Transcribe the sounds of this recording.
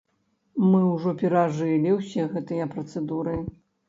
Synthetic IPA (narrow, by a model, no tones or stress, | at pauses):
mɨwʐɔpʲɛɾaʐɨlʲiwsʲɛɣɛt̪ɨjɐpɾɐt̪sɛd̪uɾɨ